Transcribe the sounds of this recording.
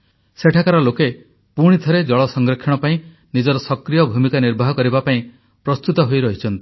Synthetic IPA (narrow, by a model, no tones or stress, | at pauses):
seʈʰakaɾɔloke | puɽ̃it̪ʰɔɾed͡ʒɔɭɔsɔŋɡɾɔkʰːɔɽ̃ɔpaĩ | nid͡ʒɔɾɔsɔkɾijɔbʱumikaniɾbʱaɦɔkɔɾibapaĩ | pɾɔst̪ut̪ɔɦojɾɔɦit͡ʃʰɔnt̪i